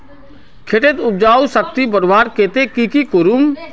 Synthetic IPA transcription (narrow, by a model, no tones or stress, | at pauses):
kʰeʈet̪ʊb̚d͡ʒaːusəkt̪ibəɾʋaːɾkeːt̪ekikikʊɾum